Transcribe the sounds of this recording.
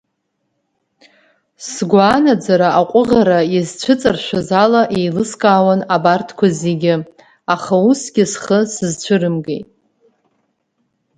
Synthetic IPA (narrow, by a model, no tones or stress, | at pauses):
sɡʷanad͡zaɾaaqʷʼʊʁaɾaizt͡ɕʷʰɨt͡sʼarʃʷᶣazalaʔejlɨskʼaːwanabartʰkʷʰaziɡʲɪ | aχausɡʲɪsχəsɨzt͡ɕʷʰɨɾɨmɡejtʼ